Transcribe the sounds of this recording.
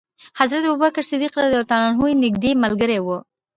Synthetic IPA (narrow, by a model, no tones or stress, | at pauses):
hazɾat̪̚bʊbakaɾsɪd̪iqlad̪ət̪anɑnɦujnɪɡ̚d̪emalɡəɾewu